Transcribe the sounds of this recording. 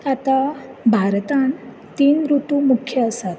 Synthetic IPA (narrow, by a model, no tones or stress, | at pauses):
at̪abʱaɾt̪an | t̪iːnɾuʈumukʰjəəsat̪